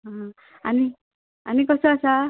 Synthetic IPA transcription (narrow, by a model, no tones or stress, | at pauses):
ɦʌ̃ | ani | anikʌsoʌsʌ